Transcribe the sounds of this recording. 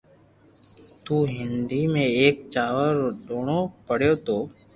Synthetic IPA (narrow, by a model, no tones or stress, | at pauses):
t̪uːɦɪnd̪iːmẽːeːk̚t͡ʃaːʋəɾɗoːɳoːpəɽ̤joːt̪oː